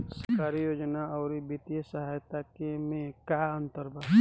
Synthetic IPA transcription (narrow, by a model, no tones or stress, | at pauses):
səɾkaːɾijoːd͡ʒnaɔʊɾibit̪ijəsəɦajt̪akemẽkaənt̪əɾbʱa